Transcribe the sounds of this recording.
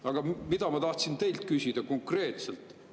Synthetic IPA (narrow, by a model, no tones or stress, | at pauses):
ɑɡ̥ɑmid̪̥ɑmɑt̪ɑht̪sint̪e̞jlt̪̚kysʲid̪̥ɑko̞ŋkre̞ːt̪selt̪ˑ